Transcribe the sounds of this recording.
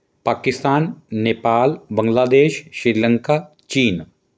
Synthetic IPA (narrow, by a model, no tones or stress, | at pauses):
paːkɪst̪aːnːeːpaːlbɐ̃ŋɡlaːd̪eːʃʃɾɪɾlə̃ŋka | t͡ʃiːn